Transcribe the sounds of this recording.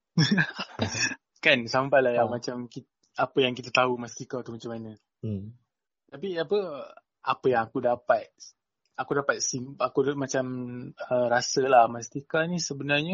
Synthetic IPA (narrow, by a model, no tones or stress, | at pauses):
kansampalajamat͡ʃamkit̪ | apəjaŋkit̪at̪aumast̪ikat̪umat͡ʃamːanə̃ | t̪ap̬iapə | apəjaŋakudapat̪̚ | akudapat̪̚simakumat͡ʃaməɾasəlahmast̪ikanisəbənarɲə